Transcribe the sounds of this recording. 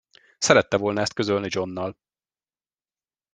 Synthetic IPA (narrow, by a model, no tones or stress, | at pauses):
sɛɾɛt̪ːɛvo̞lnɒɛst̪kø̞zølnid͡ʒo̞nːɒl